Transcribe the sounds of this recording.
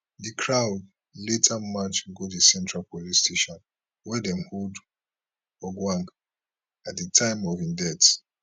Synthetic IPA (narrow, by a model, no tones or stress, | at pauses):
dikʰɹaʊd | letʰamãt͡ʃɡodisɛ̃ntɹalpolisteʃɔ̃n | wɛdɛ̃mhold | ɔɡwãŋɡ | atditʰãɪ̃mɔvĩndɛts